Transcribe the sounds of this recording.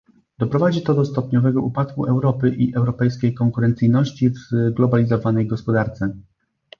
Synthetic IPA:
d̪̥ɔpɾɔvad͡ʑit̪ɔd̪ɔst̪ɔpɲɔvɛɡɔupat̪kuʔɛwɾɔpɘʔiʔɛwɾɔpɛjskʲejkɔŋkuɾɛnt̪sɘjnɔɕt͡ɕivɡlɔbalʲizɔvanɛjɡɔspɔd̪aɾt̪sɛ

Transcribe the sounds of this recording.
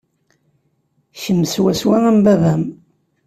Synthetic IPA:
çəmːswæswæʁæmbæðæm

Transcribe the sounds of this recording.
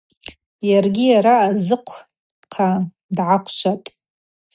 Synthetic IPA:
jarɡʲijaɾaːzɨqʷʰ | qʰa | dʕakʷʰt͡ʃʷʰatʼ

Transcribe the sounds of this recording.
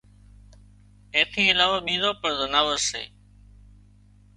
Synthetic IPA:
ẽːt̪ʰĩːɪlaːʋaːɓĩːzoːpəɾd̪ənaːʋəɾsḛː

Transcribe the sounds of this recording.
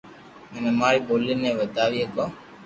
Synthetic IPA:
mɛnɛmaːɭiboːlːineʋəd̪aːʋieko

